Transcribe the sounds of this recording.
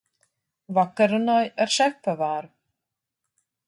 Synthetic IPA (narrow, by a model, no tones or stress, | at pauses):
vakːaɾʏnajɛɾ̥sɛhpavaɾ